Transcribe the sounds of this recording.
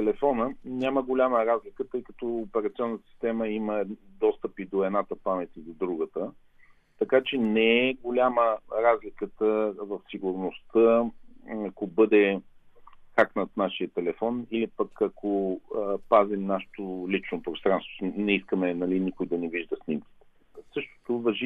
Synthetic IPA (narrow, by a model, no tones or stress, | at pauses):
t̪ɛlɛfɔnənʲaməɡolʲaməɾazlikət̪ɤjkɐt̪ɔːpɛɾɐt̪siɔnːət̪ə̥si̥st̪ɛməiməd̪ɔst̪əpid̪oɛd̪nat̪əpamɛt̪ʲid̪od̪ɾuɡət̪ə | t̪ɐkat͡ʃɛnɛɛɡolʲaməɾazlikət̪əvɐfsiɡuɾnost̪ə | ɐkobɤd̪ɛ | xaknət̪naʃijət̪ɛlɛfɔnilipəkɐkʰoəpazimnaʃɛ̥t̪olit͡ʃnopɾost̪ɾanst̪vonɛiskəmɛnɐlinikojd̪ɐnɛviʒd̪əsnʲimk̟ʲi̥t̪ɛ̥ | sɤʃt̪o̥t̪ovɐʒi